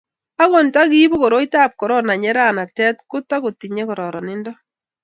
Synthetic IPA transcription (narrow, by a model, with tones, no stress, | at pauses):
a˦kɔ˨nta˦ki˦bo˦ko˨ɾo˦ita˦p̚kɔ˨ɾɔ˦na˨ɲɛ˦ɾa˦na˨tɛ˦t̚kʊ˦ta˦ko˨ti˨ɲɛ˦kɔ˨ɾɔ˨ɾɔ˨nɪ˦ndɔ˦